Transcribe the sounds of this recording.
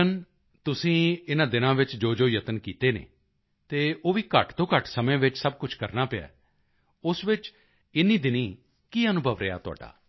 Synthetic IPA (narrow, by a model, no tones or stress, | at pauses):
ən | t̪ʊsĩːɪnãːd̪ɪnãːʋɪt͡ʃd͡ʒoːd͡ʒoːjət̪ənkiːt̪eːnḛː | t̪eːoːʋiːkəʈt̪õːkəʈsəmẽːʋɪt͡ʃsəb̚kʊt͡ʃʰkəɾnaːpea̰ː | ʊsʋɪt͡ʃ | ɪnːiːd̪ɪniː | kiːənʊbʱəʋɾeja̰ːt̪ʊa̰ːɖa̰ː